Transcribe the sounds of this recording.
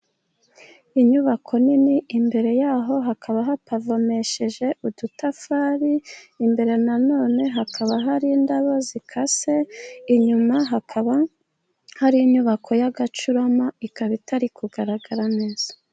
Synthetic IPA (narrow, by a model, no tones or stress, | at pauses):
iɲuβakʰo̞niniimbe̞ɾe̞jaːɦo̞ɦakʰaβaɦatavo̞me̞ʃe̞ʒe̞ʔudutafaːɾiimbe̞ɾe̞nano̞ːne̞ɦakʰaβaɦaɾindaβo̞zikʰase̞iɲumaɦakβ | haɾiiɲuβakʰo̞jaɡat͡ʃuɾo̞maikaβitʰaɾikʰuɡaɾaɡaɾane̞ːz̥ḁ